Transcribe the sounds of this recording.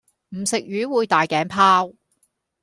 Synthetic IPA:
m̩˨˩sɪ˨k̚ɥyː˨˥wuː˨˧jt̪aː˨jkɛː˨˥npʰaː˥w

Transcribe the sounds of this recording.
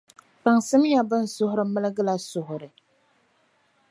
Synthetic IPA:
pa˨ŋsɨ˦m˦ja˦bɨ˦n̩˦sʊ˦hʊ˦ɾɨ˨mɨ˦lɨ˦ɡɨ˦la˨sʊ˨ɦʊ˨ɾɨ˨

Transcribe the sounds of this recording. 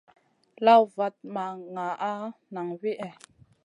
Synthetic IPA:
la˦wva˨t̚ma˨ŋa˨ʔa˦na˨ŋwi˦ʔɛ˨

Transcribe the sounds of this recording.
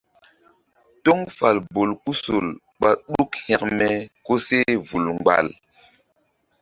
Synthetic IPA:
to˦ŋfa˨lbo˨lku˦so˨l | ɓa˨ɗu˦khɛ˨k̚mɛ˨ko˦se˦vu˨lŋ͡mɡ͡ba̰˨l

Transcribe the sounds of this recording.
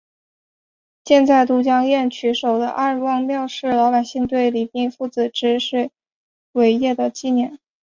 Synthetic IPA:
t͡ɕjɛ˥˧nt͡sa˥˩ɪt̪u˧˥t͡ɕjɑ˥ŋjɛ˥˩nt͡ɕʰy˧˥ʂo˨˩ʊd̪ə̰˦ʔa˥˧˩wɑ˥˧ŋmjɑ˥˧ʊʂɻ̩˥˩lɑ˧˥pa˨˩ɪɕi˥˧ŋt̪̬we˥˩ɪli˨˩pi˥˧ŋfu˥˩t͡sɹ̩˨˩ʈ͡ʂɻ̩˧˥ʂ̩˥˩ | we˧˥ɪjɛ˥˩d̪ə˩t͡ɕi˥˧njɛ˥˩n

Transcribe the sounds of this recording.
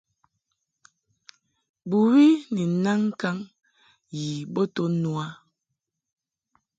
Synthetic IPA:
bu˨wi˦ni˨na˦ŋ˦ka˦ŋ | ji˨bo˦to˦nu˦a˦

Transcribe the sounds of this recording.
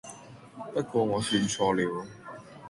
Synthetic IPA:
pɐ˥t̚kʷwɔː˧ŋɔː˨˧syː˧nt͡sʰɔː˧liː˨˧w

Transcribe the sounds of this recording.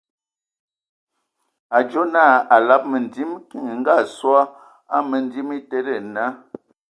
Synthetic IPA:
a˨d͡ʒo˦naː˦˨a˨la˦p̚mə˨ndi˦mki˨ŋ˨ŋ̩˦ɡa˦˨swɔ˦ | a˦mə˨n˦di˦mi˦te˦ɾe˦˨na˦

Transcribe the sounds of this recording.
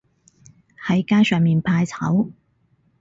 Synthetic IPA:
hɐ˨˥jkaː˥jsœː˨ŋmiː˨npʰaː˧jt͡sʰɐ̰˨˥w

